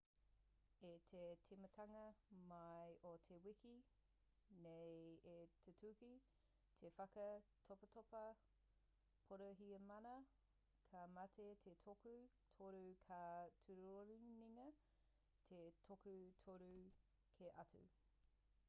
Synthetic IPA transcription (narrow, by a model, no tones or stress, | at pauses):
etʰetʰimɐtʰɐŋɐmɐjotʰewiki | nejetʰutʰuki | tʰefɐkɐtʰopɐtopɐ | pʰoɾɐɦiɐmɐnɐ | kʰamɐtʰetʰetʰoku | tʰoɾukʰatʰuɾoɾiniŋɐ | tʰetʰokutʰoɾʉ | kʰeʔɐtʉ̰